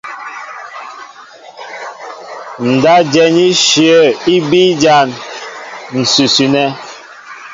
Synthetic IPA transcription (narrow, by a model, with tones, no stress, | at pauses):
n̩˨da˦d͡ʒɛ˨ni˦ʃjə˦˨i˦bi˦d͡ʒa˦˨n | n̩˨su˨sʉ˨nɛ˦